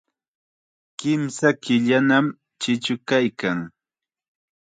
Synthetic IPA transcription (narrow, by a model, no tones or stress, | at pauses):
kɪmsakɪʎanam | t͡ʃɪt͡ʃʊkajkaŋ